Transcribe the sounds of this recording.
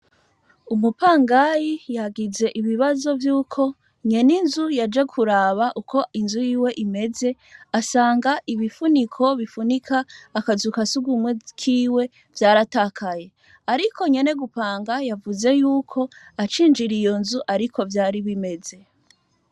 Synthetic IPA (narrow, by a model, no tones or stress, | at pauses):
umupaːŋɡajijaɡize̞ʔiβiβazo̞vjuːkʰo̞ | ɲe̞ninzujad͡ʒe̞kʰuɾaːβaʔukʰo̞inzujiːwe̞ʔime̞ze̞ | asaːŋɡaʔiβifunikʰo̞βifunikʰaːkazukasuɡumŋwekʰiːwe̞ | vjaːɾatakʰaje̞ | aɾikʰo̞ɲe̞ne̞ɡupaːŋɡajavuze̞juːkʰo̞at͡ʃiːnd͡ʒiɾijo̞nzuʔaɾikʰo̞vjaːɾiβime̞ze̞